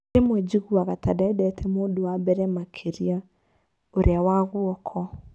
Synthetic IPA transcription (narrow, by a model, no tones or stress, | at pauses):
emwɛd͡ʒiɣuaɣatadɛdɛtʰɛmoːdowabɛɾɛmakʰeɾia | oɾeawaɣwɔkʰɔ